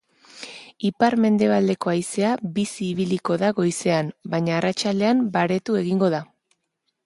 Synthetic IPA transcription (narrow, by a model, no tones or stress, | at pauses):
ipaɾme̞nd̪e̞β̞ald̪e̞ko̞ajse̞abisiːβiliko̞ðaɣo̞jse̞ambaɲaːrat͡ʃald̪e̞ambaɾe̞t̪ue̞ɣiŋɡo̞ð̞a